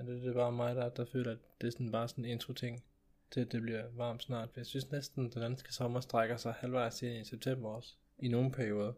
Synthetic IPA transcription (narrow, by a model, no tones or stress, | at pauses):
d̥ed̥eb̥ɑ̈ːmɑ̈ɪd̥æd̥ɑ̈fø̰ːlɐædd̥e̝æɐsɒnb̥ɑ̈ːsɒ̽ne̝nd̥ʁut͡sʰe̝ŋ̰ | t͡sʰe̝læd̥e̝b̥liɐʋɑ̰̈ːmd̥snɑ̰̈ːd̥fjasynsnesd̥n̩d̥ed̥ænsɡ̥ə̥sɒ̽mɐsd̥ʁaɡ̥ɐsɑ̈ɪhælʋɑ̈ɪse̝niseb̥̚t͡sʰem̰bɐɒs | ino̝ːn̩pʰæɐio̝ːð̞ˠɐ